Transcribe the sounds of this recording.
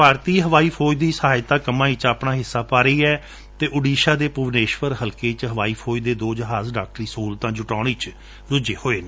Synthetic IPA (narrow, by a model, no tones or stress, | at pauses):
paːɾt̪iːɦəʋaːiːpʰoːd͡ʒd̪iːsəɦaːɪt̪aːkəmãːit͡ʃaːpnaːɦɪsːaːpaːɾəiːɛː | t̪eːʔʊɖiːʃaːd̪eːpʊʋneːʃʋəɾɦəlkeːt͡ʃɦəʋaːiːpʰoːd͡ʒd̪eːd̪oːd͡ʒəɦaːzɖaːk̚ʈəɾiːsuːlt̪ãːd͡ʒʊʈaːɽeːt͡ʃ | ɾʊd͡ʒeːhoːeːneː